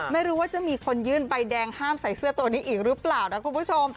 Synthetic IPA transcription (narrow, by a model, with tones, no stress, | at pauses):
ma˥˩jɾuː˦˥waː˥˩t͡ɕa˨˩miː˧kʰo˧njɯː˥˩nba˧jdɛː˧ŋhaː˥˩msa˨˩jsɯ˥˩ɐt̪u˧əniː˦˥ʔiː˨˩k̚ɾɯ˦˥plaː˨˩wna˦˥kʰu˧npʰu˥˩t͡ɕʰo˧m